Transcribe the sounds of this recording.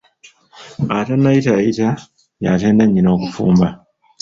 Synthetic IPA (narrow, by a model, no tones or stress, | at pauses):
atanːaitaita | ja̰teːnaɲːino̞ːkufṵːmba